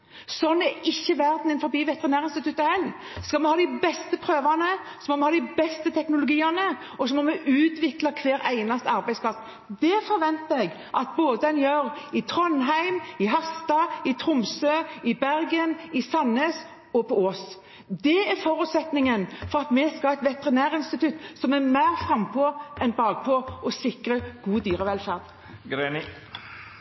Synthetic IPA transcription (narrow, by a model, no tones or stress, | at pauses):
sɔnːɛɾɪçːəʋæʁd̪nɛnfɔɾbiːʋɛt̪əʁɪnæːɾɪnst̪ɪt̪ʉt̪ːəhɛlː | skɑlmɛhɑːd̪æɪbɛst̪əpʰɾøːʋɑnəsɔmɔmɛhɑːd̪ɪbɛst̪ət̪ʰɛknʊlʊɡiːɑnə | ɔsɔmɔmɛʔʉːt̪ʋɪklɑkʰʋeːɾæɪnɑst̪ɑɾbæɪspʰlɑs | d̪ɛfɔɾʋɛnt̪əɾɛɡ | ʔɑt̪̚boːd̪əd̪ɛnjøːɾɪt̪ʰɾɔnɦæɪmɪɦɑst̪ɑɪt̪ʰɾʊmsøːɪbæʁɡənɪsɑneːs | ɔpʰɔoːs | d̪ɛæɾfɔɾʉːt̪sɛt̪nɪŋənfɔʁɑt̪mɛskɑɛɪt̪ʋɛt̪əʁɪnæːɾɪnst̪ɪt̪ʉt̪sɔmæmæɪʁfɾɑmpʰoːʔɛnbɑːɡ̚pʰɔːɔsɪkɾəɡ̥uːd̪yːɾəʋɛlfæːʁd̪ | ɡɾenɪ